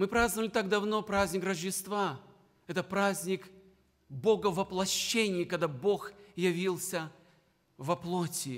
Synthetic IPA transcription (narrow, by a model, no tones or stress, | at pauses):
mɨpɾaznvəlʲɪt̪aɡd̪ɐvno̞pɾazʲnʲɪkrəʐdʲɪst̪va | ɛt̪əpɾazʲnʲɪk | bo̞ɡəvɐplˠɐɕːenʲɪjikɐɡd̪abo̞xjɐvʲilˠsʲə | vɐplˠotʲɪ